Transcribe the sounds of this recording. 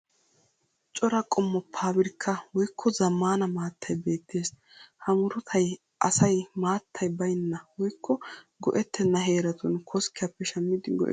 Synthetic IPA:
t͡ʃʼɔɾɐkʼɔmːɔpʰːaːbɪɾkʰːɐwɔjkːɔzɐmːaːnɐmaːt̪ʰːɐjbe̞ːt̪ʰːe̞ːs | hɐmʊɾʊt̪ʰɐj | ʔɐsɐjmaːt̪ʰːɐjbɐjnːɐwɔjkːɔ | ɡɔʔɛt̪ːɛnːɐɦe̞ːɾɐt̪ʊnkʰɔskɪjɐpːɛʃɐmːɪd̪ɪɡɔ̰ʔɛ̰

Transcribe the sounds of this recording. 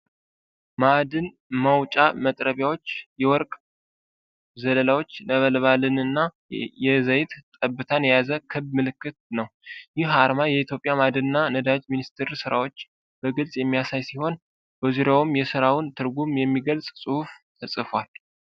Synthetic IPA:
mad̪ɨn | məwt͡ʃʼamət̪ʼɾəβjawo̞t͡ʃːjɛwɔɾkʼ | zələlawo̞t͡ʃːnəβəlβalɨnɨnːa | jɛzəjt̪t̪ʼəbːɨt̪ʰanjɛjazəkʰɨβmɨlɨkːɨt̪̚nəwjɪhaɾmajɛit̪ʰjo̞pʼjamad̪ɨnɨnːanəd̪ad͡ʒminist̪ʰɨɾsɨɾawo̞t͡ʃː | b̥əɡɨlsʼjɛmːijasajsiho̞n | b̥əzuɾawumjɛsɨɾawʊnt̪ʰɨɾɡumjɛmːiɡəlsʼsʼɨhuft̪ʰəsʼɨfwal

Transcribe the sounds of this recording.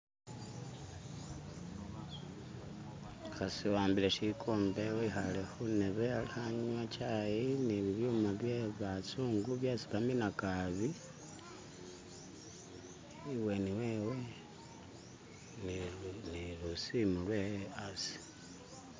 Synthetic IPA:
xasiwaːmbileʃikʰoːmbe̞wixalexuneβealihaɲwat͡ʃajiniβiβjuːmaβjeβat͡suːŋɡuβjasiβaminakaβi | iwe̞niweːwe̞ | nnilusimulweasi̥

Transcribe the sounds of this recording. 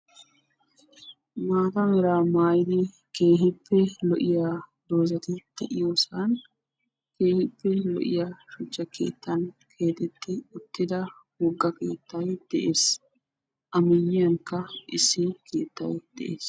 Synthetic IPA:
maːt̪ɐmɪɾaːmaːjɪd̪ɪ | ke̞ːɦɪpːɛlɔʔɪjaːd̪o̞ːzɐt̪ɪd̪̥ɛʔɪjoːsɐn | ke̞ːhɪpːɛlɔ̰ʔɪ̰jaʃʊt͡ʃːɐkʰe̞̰ːt̪ːɐnkʰe̞ːt̪ɛt̪ːɪʊt̪ːɪd̪ɐ | wɔɡːɐke̞̰ːt̪ːɐjd̪̥ɛʔe̞ːs | ʔɐmɪjːɪjɐŋkːɐɪsːɪkʰe̞ːt̪ːɐ̰jd̪̥ɛʔḛːs

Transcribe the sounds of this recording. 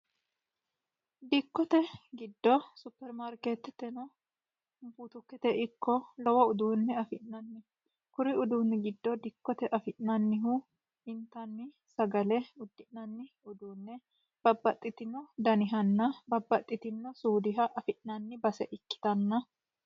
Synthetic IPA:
d̪ɪkːɔt̪ɛɡɪd̪ːɔsʊpːɛɾmaɾkeːt̪ːt̪ɛnɔ | buːt̪ʊkːɛt̪ɛʔɪkːɔlɔwɐʊd̪uːnːɛɐfɪʔnɐnːɪ | kʊɾɪʊd̪uːnːɪɡɪd̪ːɔd̪ɪkːɔt̪ɛʔɐfɪʔnɐnːɪɦu | hɪnt̪ːɐnːɪ | sɐɡɐlɛʊd̪ːɪʔnɐnːɪ | ʊd̪uːnːɛ | b̥ɐbːɐt̪ʼːɪt̪ɪnːɔd̪ɐnɪɦɐnːɐbɐbːɐt̪ʼːɪt̪ɪnːɔsuːd̪ɪɦɐʔɐfɪʔnɐnːɪbɐsɛʔɪkːɪ̥t̪ɐnːɐ

